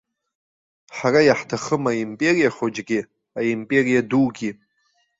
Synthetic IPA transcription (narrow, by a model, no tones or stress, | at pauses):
ħarajaħtʰaχəmaimpʼe̞ɾijaχod͡ʒɡʲi | aimpʼe̞ɾijaduɡʲi